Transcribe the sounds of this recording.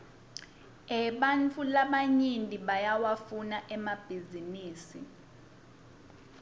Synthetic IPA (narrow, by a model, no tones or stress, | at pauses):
ɛɓant͡fʰulaɓaɲintʼiɓajawafunaʔɛmab̥ʱiziniːsi